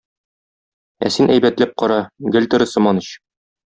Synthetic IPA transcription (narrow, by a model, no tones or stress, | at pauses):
æ̰sinʔæjbæt̪læp̚qɒɾɑɡɘ̆lʲt̪ɘ̆ɾɘ̆sɤ̆mɑnɤɕ